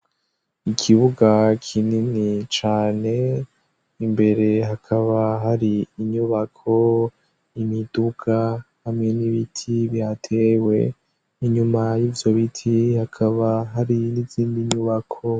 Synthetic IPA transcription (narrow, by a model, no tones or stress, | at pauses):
ikʰiβuɡakʰininit͡ʃaːne̞ | imbe̞ɾe̞ɦakʰaβaɦaɾiːɲuβakʰo̞ | imid̥ukʰa | hamŋe̞niβitʰiβjatʰe̞we̞̰ | iɲumajiːvjo̞βitʰihakʰaβaɦaɾiniziːndiɲuβakʰo̞